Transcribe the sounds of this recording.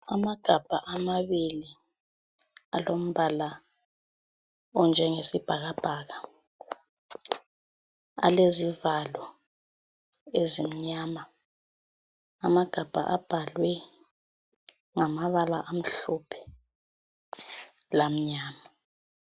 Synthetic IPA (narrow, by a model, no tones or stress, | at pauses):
amaɡ̥ʱab̥ʱaʔamaβili | a̰lom̩βala | ɔnd͡ʒʱɛŋesib̥ʱaɣab̥ʱaɣa | a̰lezivalwɔ | ezim̩ɲaːma | amaɡ̥ʱab̥ʱa̰ʔab̥ʱalwɛ | ŋamaβalaʔam̩ɬupʰɛ̥ | lam̩ɲaːma